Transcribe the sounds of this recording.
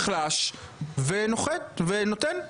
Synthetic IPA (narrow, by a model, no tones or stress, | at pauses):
χlaʃvenoχet̪̚venot̪en